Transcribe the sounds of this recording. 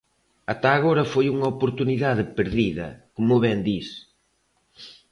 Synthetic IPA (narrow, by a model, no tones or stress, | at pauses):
at̪aːɣoɾɐfojuŋɐopoɾt̪uniðaðɪpeɾðiðɐ̰komʊβɛnd̪is